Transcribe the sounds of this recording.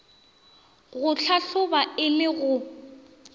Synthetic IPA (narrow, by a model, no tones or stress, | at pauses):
ɣʊɬʰaɬʊbaɪlɪɣʊ